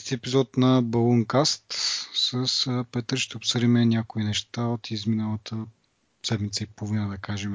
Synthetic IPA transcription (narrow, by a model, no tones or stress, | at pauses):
st̪iɛpizɔt̪nɐbɐlˠoŋkast̪səspɛt̪əɾʃt̪ɛopsɤd̪imɛnʲjakoinɛʃt̪aot̪ʰizminəlˠət̪ʰə | sɛd̪mit̪səipoovinəd̪ɐkaʒɛm